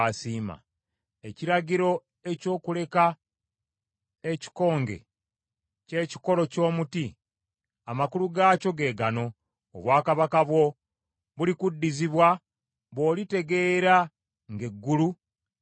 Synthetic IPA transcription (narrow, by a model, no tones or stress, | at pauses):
asiːma̰ | eciɾaɟiɾo̞ | e̞co̞ːkule̞ka | e̞ci̥ko̞ːŋɡe̞̰ | ce̞ːci̥ko̞lo̞co̞ːmuti | amakuluɡaːco̞ɡe̞ːɡano̞̰ː | βwaːkaβakaβwo̞ | βulikudːiziβwa | βo̞ːlite̞ɡe̞ːɾa | ŋɡe̞ɡːulu